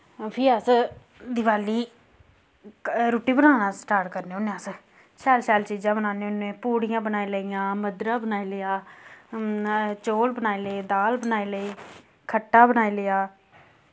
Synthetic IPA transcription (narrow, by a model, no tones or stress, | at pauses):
pʰiːaːs | d̪ɪʋaːliː | ɾoːʈiːbənaːnãːsʈaːɾʈkəɾneːʊneaːs | ʃɛːlʃɛːlt͡ʃiːd͡ʒãːbənaːneːʊnẽːpuːɽɪjãːbənaːiləɪjãːməd̪ɾãːbənaːiːlɪjaː | t͡ʃoːlbənaːeːləeːd̪aːlbənaːiːləiː | kʰəʈːaːbənaːilɪjaː